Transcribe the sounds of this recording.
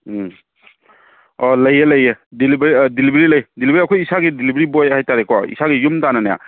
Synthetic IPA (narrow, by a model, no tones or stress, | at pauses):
ɔlɐjelɐjedilibɾidilibɾilɐjdilibɾiɐkʰojisaɡidilibɾibojhajtaɾekɔḭsaɡijumtananaja̰